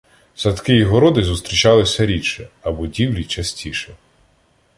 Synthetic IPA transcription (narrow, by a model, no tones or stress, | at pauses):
sɐt̪kɪiɦɔɾɔd̪ɪzust̪ɾʲit͡ʃɑlˠɪsʲɐɾʲit͡ʃɛɐbɔdʲiwlʲit͡ʃɐsʲtʲʰiʃɛ